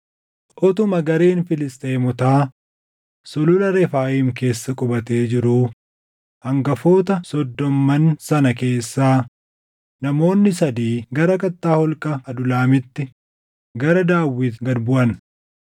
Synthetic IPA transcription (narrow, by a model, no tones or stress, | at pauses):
ʔɔt̪ʊmɐɡɐɾe̞ːnfɪlɪst̪ʼeːmʊt̪aː | sɔlʊlɐɾɛfaːjiːmke̞ːsːɐkʼɔbɐt̪e̞ːd͡ʒɪɾuː | hɐŋɡɐfo̞ːt̪ɐsɔd̪ːɔmːɐnsɐnɐke̞ːsːaː | nɐmo̞ːnːɪsɐd̪iːɡɐɾɐkɐt̪ːaːhɔlkʼɐːd̪ʊlaːmɪt̪ːɪ | ɡɐɾɐd̪aːwːɪt̪ɡɐd̪bʊʔɐn